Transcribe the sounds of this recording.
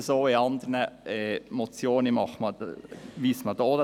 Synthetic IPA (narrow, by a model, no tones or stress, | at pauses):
soːɪɑnd̪əɾnəɛmɔt͡sjoːnəmɑχmɑʋiːsmɑd̪oːd